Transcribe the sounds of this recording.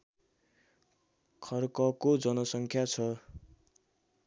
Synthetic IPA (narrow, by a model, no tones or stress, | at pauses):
kʰʌrkʌkod͡zʌnʌsʌŋkʰjat͡sʰʌ